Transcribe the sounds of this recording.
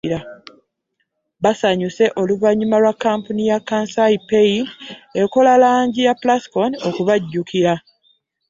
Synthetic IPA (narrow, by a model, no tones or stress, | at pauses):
ɾa | βasaɲuse̞ʔo̞luvaɲumalwakːampunijakːaːnsajipeie̞ko̞lalaːɲɟijaplaskono̞kuβaɟːukiɾa